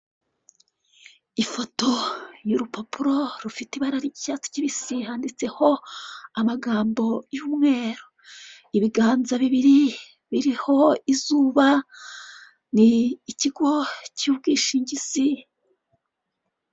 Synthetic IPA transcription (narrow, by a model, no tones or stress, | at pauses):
ifo̞to̞juɾupʰopuɾo̞ɾufiteiβaɾaɾiɟicat͡si̥ciβisihaːndit͡se̞ho̞amaɡaːmbo̞juːmŋe̞ːɾo | iβiɡaːnzaβiβiɾi | βiɾiho̞izuːβa | niːciɡo̞cuːbɡiːʃiɲɟizi